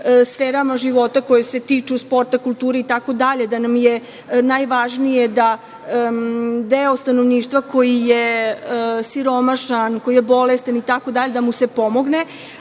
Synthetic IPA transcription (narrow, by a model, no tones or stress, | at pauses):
sfeːɾamaʒiʋo̞t̪ako̞jese̞t̪iːt͡ʃuspo̞ɾt̪akulˠt̪uːɾeit̪ako̞d̪aʎe̞d̪anamje | najʋaʒnije̞d̪a | d̪eost̪anoʋniːʃt̪ʋako̞jije | siɾo̞maʃanko̞jijebo̞lest̪anit̪ako̞d̪aʎe̞d̪amuse̞po̞mo̞ɡne